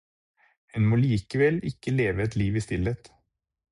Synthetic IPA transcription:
hɛnmoːliːkəʋɛlɪkəleːʋəɛt̪liːʋiːst̪ɪlet̪

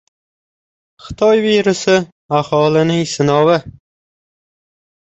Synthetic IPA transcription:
χɨ̥t̪ʰɒjveɾɪsɪ | ahɒlɪnɪŋsɪnɒwɪ

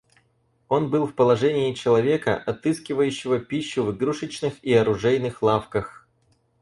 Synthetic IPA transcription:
o̞nbɨlˠfpəlˠɐʐɛnʲɪːt͡ɕɪlˠɐvʲe̞kə̰ʔɐt̪ɨskʲɪvəjʉɕːɪvəpʲiɕːʊvɡɾuʂɨt͡ɕnɨxiɐɾʊʐɛjnɨxlˠafkəx

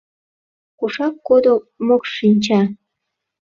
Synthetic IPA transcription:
kuʃɑkːod̪o | mokʃinʲt͡ɕɑ

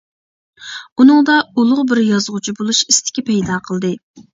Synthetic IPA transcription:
unɨŋd̪ɑulˠʊʁbɪɾjɑzʁʊt͡ʃʰibolˠuʃist̪ʰɪ̥kʲɛpʰɛjd̪ɑqʰəlˠd̪ɨ

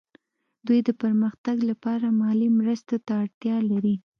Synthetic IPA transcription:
d̪ujd̪əpəɾməxt̪aɡlapɑɾamɑlimɾəst̪ot̪aːɽt̪jɑlaɾi

